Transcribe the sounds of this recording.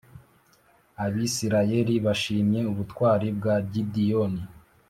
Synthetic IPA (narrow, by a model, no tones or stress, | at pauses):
aβisiɾaje̞ɾiβaʃiːmje̞uβutkwaːɾib̚ɡaɟidijoni